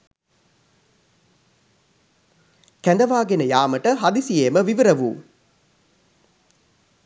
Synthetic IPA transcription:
kænd̪ɐʋaːɡenəjaːməʈəɦad̪isijeːməʋiʋiɾɐʋuː

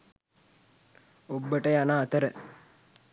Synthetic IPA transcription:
obːəʈəjanaːt̪əɾə

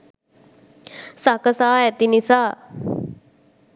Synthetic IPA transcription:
sakəsaɛt̪inisa

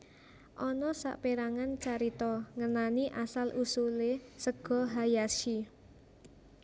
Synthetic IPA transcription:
ʔɔnɔsa̰ʔpeɾaŋant͡ʃaɾit̪ɔŋənaniʔasalʔusulesəɡ̥ɔ̤ɦajaʃi

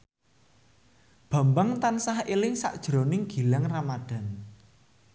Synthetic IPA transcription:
b̥a̤mbaŋt̪ansahilɪŋsa̰ʔd̥ʒ̥ɾonɪŋɡ̥i̤laŋramad̥a̤n

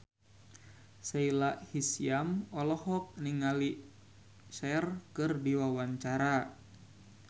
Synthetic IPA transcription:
sailaʔhisiamɔlɔhɔk̚niŋali | ʃɛrkɨrdiwawaɲt͡ʃaɾa

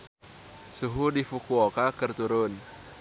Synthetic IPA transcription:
suɦudifukuokakərt̪uɾʊn

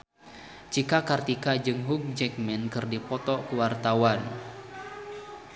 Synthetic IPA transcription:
t͡ʃikakart̪ikad͡ʒɨŋɦuk̚d͡ʒɛk̚mɛnkɨrdipɔt̪ɔkəwart̪awan

